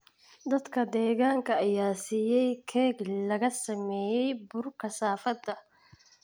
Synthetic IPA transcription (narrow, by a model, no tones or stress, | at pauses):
d̪ɐd̪kɐd̪ɛːɣaːŋkɐɐjaːsijɛjkʰɛːɡlɐɣɐsɐmɛːjɛjbʊɾkɐsaːfɐd̪ːɐ